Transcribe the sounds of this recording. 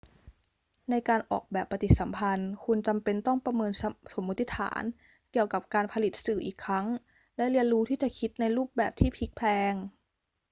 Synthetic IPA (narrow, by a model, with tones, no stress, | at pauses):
na˧jkaː˧nʔɔ̰ː˨˩k̚bɛː˨˩pːa˧t̪i˨˩t̪̚sa˩˦mpʰa˧nkʰu˧nt͡ɕa˧mpe˧nt̪ɔ˥˩ŋpɾa˧mɤː˧nso˩˦mːu˦˥t̪ːi˦t̪ʰa̰ː˩˦n | ki˨˩əwka˨˩p̚kaː˧npʰa˧li˨˩t̪̚sɯː˨˩ʔḭː˨˩kʰːɾa˦˥ŋ | lɛ˦˥li˧ənɾuː˦˥t̪ʰiː˥˩t͡ɕa˨˩kʰi˦˥t̪̚na˧jɾuː˥˩p̚bɛː˨˩p̚t̪ʰiː˥˩pʰi˦˥k̚pʰɛː˧ŋ